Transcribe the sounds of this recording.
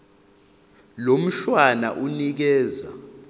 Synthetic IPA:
lom̩ʃwana̰ʔunik̬ɛːza̰

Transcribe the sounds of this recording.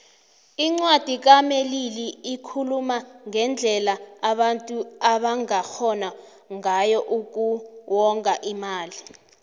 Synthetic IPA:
iŋ͡ǀwad̥ʱik̬ameliliːkʰulumaŋɛnd͡ɮʱɛlaaɓantʼuaɓaŋaxɔna | ŋajɔʔuk̬uwɔŋkʼaʔimaːli

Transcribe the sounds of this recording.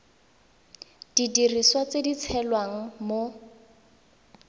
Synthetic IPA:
d̥idiriswat͡sedit͡sʰɛlwaŋ̩mo

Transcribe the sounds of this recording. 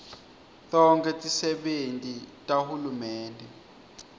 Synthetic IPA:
tɔŋkʰɛtʼisɛɓentʼitʼahulumɛːndʱɛ

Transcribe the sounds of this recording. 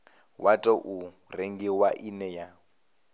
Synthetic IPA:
watʼɔʔu | reŋɡiwaʔinɛja

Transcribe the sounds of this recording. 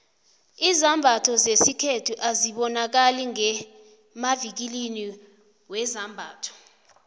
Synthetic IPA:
izambʱatʰɔzesikʰetʰuʔaziɓɔnak̬aliŋɛ | mavik̬ilini | wɛzambʱaːtʰɔ̥

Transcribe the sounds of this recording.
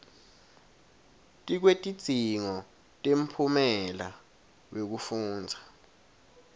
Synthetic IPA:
tʼik̬wetʼi̥z̥ʱiŋɔ | tʼem̩pʰumɛla | wek̬ufuːnd͡zʱa

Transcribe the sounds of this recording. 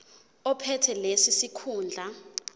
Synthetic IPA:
ɔpʰɛtʰɛlesisikʰuːnd͡ɮʱa

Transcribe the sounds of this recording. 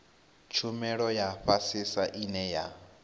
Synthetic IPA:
t͡ʃʰumɛɺɔjaɸasisaʔinɛja

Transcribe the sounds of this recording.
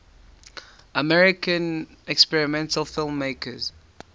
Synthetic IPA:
əmɛɹɪkə̃nɛkspɛɹɪmɛ̃ntʰəlˠfɪlˠmːeɪkʰəz̥

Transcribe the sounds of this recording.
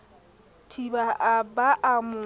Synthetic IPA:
tʰibaʔabaʔamʊ

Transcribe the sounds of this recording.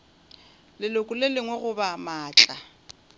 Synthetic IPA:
lɪlokʼʊlelɪŋwɛɣʊbamaːt͡ɬʼa

